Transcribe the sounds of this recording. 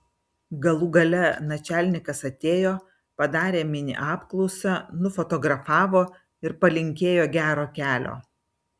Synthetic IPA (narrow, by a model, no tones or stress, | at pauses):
ɡɐlˠuːɡɐlʲɛnɐt͡ʃʲæːˑlʲnʲɪkɐsɐt̪ʲeːjoː | pɐd̪ɑːɾʲeːmʲɪnʲɪ̰ʔɑːpklˠɔʊsʲɐnʊfɔt̪ɔɡɾɐfɑːʋoː | ɪɾpɐlʲɪŋʲkʲeːjoːɡʲæːɾoːkʲæːlʲo̰ː